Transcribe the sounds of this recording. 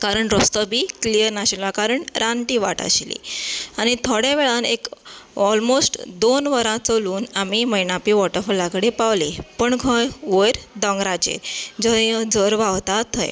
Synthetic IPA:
kaɾəɳɾɔst̪əbʱiːklijəɾnaɕəlakaɾəɳɾaɳʈiːʋa̰ʈə̰ɕilḭaɽ̃it̪ʰoɽjaʋeɭanekɔlmosʈd̪onʋəɾãt͡səluːnamiməjnapiːʋɔʈəɾfulakəɽepaʋlipəɳɡʱəjʋəjɾd̪əŋɡɾad͡ʑḛɾd͡zəd͡zəɾʋaʋt̪at̪ːə̰j

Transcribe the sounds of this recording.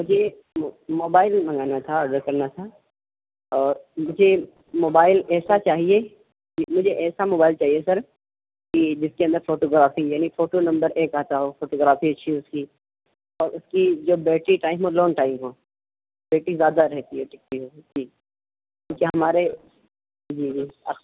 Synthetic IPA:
mʊd͡ʒʱe | moːbaːɪlmɐ̃ŋɡaːnat̪ʰaɐɖəɾkɐɾnat̪ʰa | ɔːɾmʊd͡ʒʱe | moːbaːɪlɛːsat͡ʃaːɦie | kimʊd͡ʒʱeʔɛːsamoːbaːɪlt͡ʃaːɦiesɐɾ | kid͡ʒɪskeɐ̃nd̪əɾfoːʈoːɡɾaːfijaːnifoːʈonɐ̃mbəɾeːkaːt̪aɦofoːʈoːɡɾaːfiɐːʃʰiʊski | ɔːɾʊskid͡ʒoːbeːʈiʈaːɪmɦõloːnʈaːɪmɦõː | beːʈizjaːd̪aɾɛɦt̪iɦɛʈɪk̚t̪iɦoːd͡ʒiː | kjũːkeɦɐmaːɾe | d͡ʒiːd͡ʒiːa̰

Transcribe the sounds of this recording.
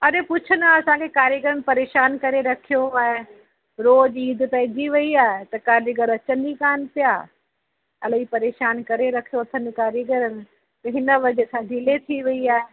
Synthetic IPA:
ɐɗepʊt͡ʃʰənaɐsãkʰekaːɾjəɡəɾənɪ̆pɐɾeːʃaːnkɐɾeɾɐkʰijoaːɦe | ɾoːd͡ʒiːd̪ʱpɐɦɪd͡ʑiʋɐiaːɦet̪ɐkaːɾəɡəɾɐt͡ɕənd͡ʑikaːnpɪjaː | ɐlipɐɾeːʃaːnkɐɾeɾɐkʰijoɐt̪ʰə̃nɪkaːɾjəɡəɾənɪ̆ | t̪ɐɦɪnə̆ʋɐd͡ʑesãːɡʱɪlet̪ʰiʋɐiaːɦe

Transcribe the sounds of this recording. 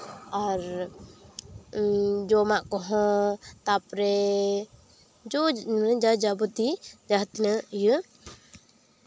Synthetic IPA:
aɾ | d͡ʒɔmaʔkɔɦɔ̃t̪apɾɛ | d͡ʒɔnəd͡ʒad͡ʒabut̪id͡ʒaɦt̪nəjə

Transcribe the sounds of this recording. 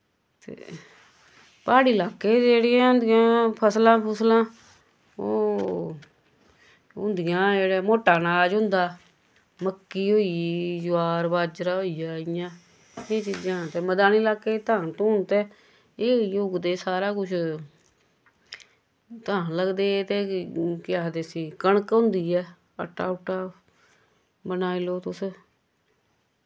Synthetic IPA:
t̪ḛː | paːɽiːlaːkːeːd͡ʒeːɽɪjãːʊ̃nd̪ɪjãːpʰəslãːpʰəslãː | oː | ʊ̰̃nd̪ɪjãːeːɽeːmoːʈːaːnaːd͡ʒɦʊ̃nd̪aː | məkːiːɦoːid͡ʒʊaːɾbaːd͡ʒɾaːɦoːijaːɪjãː | eːt͡ʃiːd͡ʒãːt̪eːməd̪aːniːlaːkːeːt̪aːnt̪oːnt̪eː | eːjʊɡd̪eːsaːɾaːkʊt͡ʃʰ | t̪aːnləɡd̪eːt̪eːkɪaːd̪eːsiːkəɳəkɦʊ̃ːnd̪iːɛː | ə̰ʈːaːʊʈaː | bənaːiloːt̪ʊs

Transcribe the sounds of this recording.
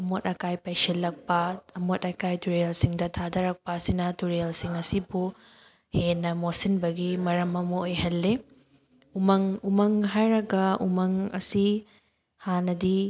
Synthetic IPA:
ɐmotɐkajpajselːɐk̚pɐɐmotɐkajtuɾeelsiŋdɐtʰadɐɾɐk̚pɐːsinɐtuɾlsiŋɐsibu | henːɐmosinbɐɡimɐɾɐmɐmɐojhɐlːe | umɐŋumɐŋɦajɾɐɡɐṵmɐŋɐ̰si | hanɐdi

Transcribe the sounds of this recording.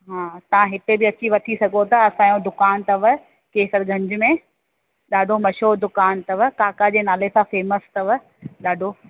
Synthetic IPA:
ɦãːt̪ɐʋ̤ãɦɪt̪ebɪɐt͡ɕiʋɐʈ̪ʰisɐɡʱot̪ɐɐsãːjõd̪ʊkaːnt̪ɐʋ | keːsəɾɡʱɐ̃ɲd͡ʑʊmẽ | ɗaːɖʱomɐʃoːd̪ʊkaːnt̪ɐʋkaːkad͡ʑeːnaːlesãfeːməst̪ɐʋ | ɗaːɖʱo

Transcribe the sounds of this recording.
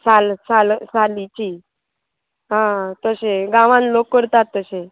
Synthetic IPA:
salsalsalit͡ɕi | ɦãt̪əseɡãʋãnlokːəɾt̪at̪ːəse

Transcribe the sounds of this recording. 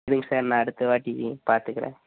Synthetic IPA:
ðɪŋɡsaːɾnãːɐɽɯt̪ːɯʋaːʈːipaːɾt̪ɯkːɪɾḛ̃ː

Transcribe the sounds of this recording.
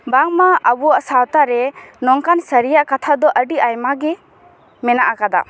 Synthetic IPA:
baŋmaabuwaʔsawt̪aɾɛnɔŋkansəɾijaʔkat̪ʰad̪ɔʔəɖiʔajmaɡɛ | mɛnaʔakad̪a̰

